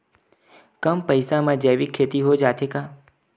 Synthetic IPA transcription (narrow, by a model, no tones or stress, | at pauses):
kəmpəjsamãd͡ʒeʋikʰːet̪iɦod͡ʒat̪ʰeka